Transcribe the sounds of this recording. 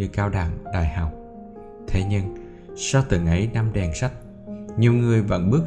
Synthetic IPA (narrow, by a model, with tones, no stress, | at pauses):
ɨ˧kaː˧wɗa̰ː˧˩ŋɗa̰ː˧˨jha˨˩w | t̪ʰe˨˦ɲɨ˧ŋ | sa˧wt̪ɨ˧˩ŋʔə˨˦jna˧mɗɛ˨˩nsa˦˥k̟̚ | ɲi˨˩əwŋɨ˨˩əjvə̰˧˥nɓɨ˦˥ək̚